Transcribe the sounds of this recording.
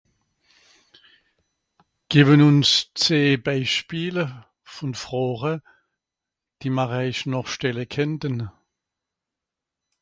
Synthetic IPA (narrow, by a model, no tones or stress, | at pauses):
ɡ̥eːbənʊnst͡seːbaɪʃpiːlə | fɔnfʁ̥oːʁə | d̥iːmaʁaɪʃnɔχʃtɛləkʰɛntən